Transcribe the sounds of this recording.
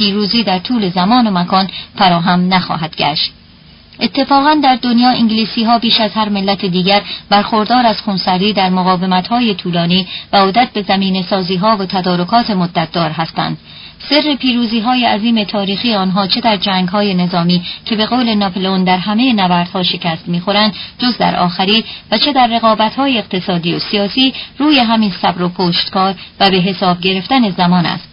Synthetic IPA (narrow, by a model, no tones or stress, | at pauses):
pʰiːɾuːziːd̪æɾt̪ʰuːle̞zæmɒːno̞mækʰɒːnfæɾɒːɦæmnæxɒ̰ːɦæd̪̥ɟæ̰ʃt̪̚ | ʔe̞t̪ʰːe̞fɒːɣænd̪æɾd̪o̞njɒːʔiŋɟliːsiːɦɒːbiːʃæzhæɾme̞lːæt̪ʰed̪iːɟæɾbæɾxoɾd̪ɒːɾæz̥χunsæɾd̪iːd̪æɾmoɣɒːve̞mæt̪hɒːje̞t̪ʰuːlɒːniːvæod̪æt̪̚be̞zæmiːne̞sɒːziːɦɒːvot̪ʰæd̪ɒːɾo̞kʰɒːt̪ʰe̞mod̪ːæt̪̚ʰd̪ɒːɾɦæst̪æ̰nd̪̥ | se̞rːe̞pʰiːɾuːziːɦɒːjeæziːme̞t̪ʰɒːɾiːxiːeɒːnɦɒːt͡ʃʰe̞d̪æɾd͡ʒæːŋɡɦɒːje̞ne̞zɒːmiːcʰe̞be̞ɣoːle̞nɒpʰlond̪æɾɦæme̞jenævæːɾd̪̥hɒːʃe̞cʰæst̪miːxo̞ɾænd̪d͡ʒozd̪æ̰ɾʔɒ̰ːxæɾiːvæt͡ʃʰe̞d̪æɾːe̞ɣɒːbæt̪hɒːjeːqt̪e̞sɒːd̪iːosiɒːsiːruːje̞ɦæminsæbɾopʰoːʃt̪kɒːɾvæbe̞ɦe̞sɒːbɟe̞ɾe̞ft̪æne̞zæmɒːnæ̰st̪